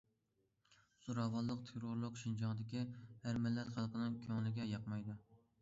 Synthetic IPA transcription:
z̥oɾɑvɑlˠːəqt̪ʰeɾoɾlˠʊqʃind͡ʒɑŋd̪ɪkʲihæɾmɪlːɛt̪χælˠqənɨŋkʲʰøŋlɪɡʲɛjɑqmɑjd̪u

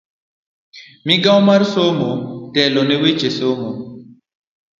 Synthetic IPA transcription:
miɡãwmaɾsomotɛlɔnɛwet͡ʃesomo

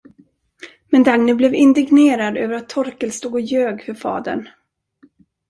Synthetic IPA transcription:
mɛnd̪aŋnəblɛvɪnd̪ɪɡneːɾad̪ø̰ːvəɾat̪ʰːɔɾkəlst̪uːɡɔjøːɡfœɾfɑ̰ːd̪ə̰ɳ

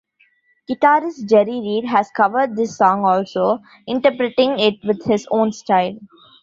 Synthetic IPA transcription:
ɡ̥ɪʈaːɾɪsd͡ʒɛɾiɾiːɖɦæzkʌʋəɾɖ̚d̪ɪsːɔ̃ːŋɔːlsoː | ɪ̃ɳʈəɾpɾeʈɪ̃ŋɪʈ̚ʋɪd̪hɪzõːnsʈaɪl

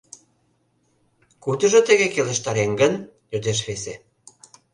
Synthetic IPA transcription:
kut̪ə̆ʒɤ̆t̪əɣekelə̆ʃt̪ɑɾeŋɡənjød̪eʃ̬βese

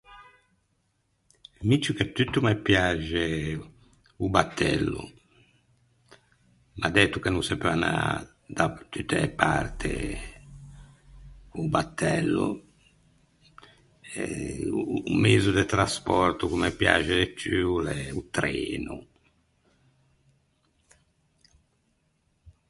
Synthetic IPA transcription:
mit͡ʃːuket̪yt̪ːumɛpjad͡ʒɛ | ubat̪ʰːɛ̰lːṵ | mʔad̪ɛt̪ːukenunsɛpøana̰ | d̪at̪yt̪ːɛpa̰ɾt̪ʰɛ̰ | ubat̪ʰːɛlːṵ | ɛ | mezud̪ɛt̪ɾaspɔɾt̪ukumɛpːja̰d͡ʒɛɛt͡ʃːyulɛut̪ɾeːnu

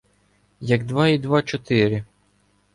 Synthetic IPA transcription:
jɐɡd̪ʋɑid̪ʋɑt͡ʃɔt̪ɪɾʲɪ

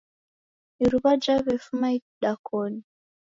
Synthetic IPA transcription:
iɾuβad͡ʒaβɛfumaiɗakɔni

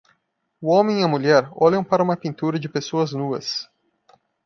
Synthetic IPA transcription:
uõmẽj̃iɐmuʎɛɾɔʎɐ̃w̃paɾɐũmɐpĩnt̪uɾɐd͡ʒɪpesoɐznuɐ̰s

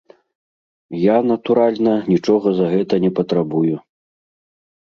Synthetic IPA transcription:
janɐt̪uɾalʲnɐnʲit͡ʂɔɣɐzɐɣɛt̪ɐnʲɛpɐt̪ɾabuju

